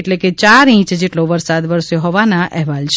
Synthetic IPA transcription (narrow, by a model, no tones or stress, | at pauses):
ʈleket͡ʃaɾĩt͡ʃd͡ʒeʈloʋəɾsad̪ʋəɾsjoɦɔʋanaʔɛɦʋalt͡ʃʰ